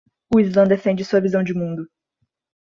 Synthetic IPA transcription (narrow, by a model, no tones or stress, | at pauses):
ʊizlɐ̃d̪efẽnd͡ʒɪsuɐvizɐ̃w̃d͡ʒɪmũnd̪ʊ